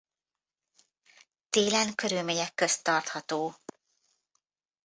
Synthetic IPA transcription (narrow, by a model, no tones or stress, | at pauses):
t̪eːlɛnkøɾylmeːɲɛkːøst̪ɒrt̪hɒt̪oː